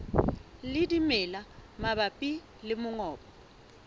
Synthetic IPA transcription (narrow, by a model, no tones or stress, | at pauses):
lɪdimɛlamaɓapʼi | lɪmʊŋɔːpɔ